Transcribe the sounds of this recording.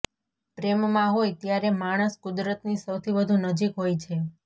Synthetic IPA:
pɾemmãɦojt̪jaɾemaɽ̃əskud̪ɾət̪nisəwt̪ʰibəd̪ʱunəd͡ʒikɦojt͡ʃʰe

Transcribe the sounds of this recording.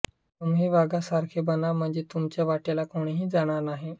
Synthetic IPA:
umɦiːʋaɡasaɾkʰebənam̤əɳd͡zet̪umt͡ɕjaʋaʈelakoɽ̃eɦiːd͡zaɽ̃aɾnaɦe

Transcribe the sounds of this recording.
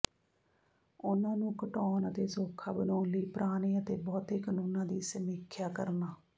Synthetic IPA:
ʊnãːnũːkəʈɔːnət̪eːsoːkʰːaːbənɔːnliːpɾʔaːniːət̪eːbɔːt̪eːkənuːnãːd̪iːsəmɪːkʰːjaːkəɾnaː

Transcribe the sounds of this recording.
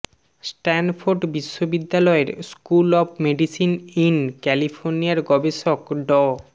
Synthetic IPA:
sʈɛnfʰoɾɖbiʃːobid̪ːalɔeɾskulɔb̚meɖisininkɛlifʰoɾnijaɾɡɔbeʃokɖɔ

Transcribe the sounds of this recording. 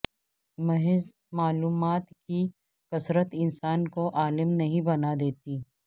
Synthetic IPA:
mɐɦɪz | maːluːmaːt̪ki | kɐsɾət̪ɪnsaːnkoʔaːlɪmnɐɦĩbɐnad̪eːt̪iː

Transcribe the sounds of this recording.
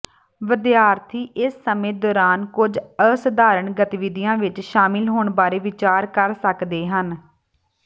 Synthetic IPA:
ʋəd̪ɪjaːɾt̪ʰiːʔɪsːəmẽːd̪ɔːɾaːnkʊd͡ʒəsəd̪aːɾəɳɡət̪ɪʋɪd̪ijãːʋɪt͡ʃʃaːmɪlɦoːɳbaːɾeːʋɪt͡ʃaːɾkəɾsəkd̪eːɦən

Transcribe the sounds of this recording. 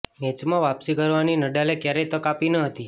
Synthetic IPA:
met͡ʃmãʋapsikəɾʋaninəɖalekjaɾejt̪əkapinəɦət̪i

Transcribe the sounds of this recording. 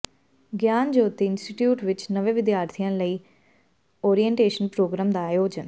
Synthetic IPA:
ɡjaːnd͡ʒoːt̪iɪnsʈiʈjuːʈʋɪt͡ʃnəʋẽːʋɪd̪jaːɾt̪ʰijãːləiː | oːɾijə̃ɳʈeːʃənpɾoːɡɾãːmd̪aːjoːd͡ʒən

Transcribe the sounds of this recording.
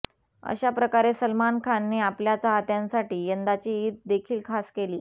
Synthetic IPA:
ə̰ɕapɾəkaɾesəlmankʰanːeːapljat͡saɦat̪jãnsaʈiːjənd̪at͡ɕiːt̪̚d̪ekʰiːlkʰaskeliː

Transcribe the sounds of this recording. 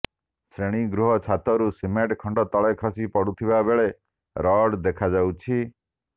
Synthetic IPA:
sɾeɽ̃iɡɾuɦɔt͡ʃʰat̪ɔɾusimeʈkʰɔɳɖɔt̪ɔɭajkʰɔsipɔɽut̪ʰibabeɭe | ɾɔɽd̪ekʰad͡ʒawt͡ʃʰi

